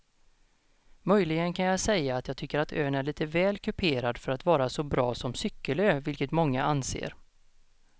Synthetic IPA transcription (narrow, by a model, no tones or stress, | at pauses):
mœjlɪɡənkʰanjɑsɛjːaːt̪jɑːɡ̚t̪ʰʏkːəɾat̪ʰø̰ːnæɭiːt̪əvɛːlkʰɵpʰeːɾad̪fœɾat̪vɑːɾasɔbɾɑːsɔmsʏkːəløːvɪlkət̪mɔŋːaʔansḛːɾ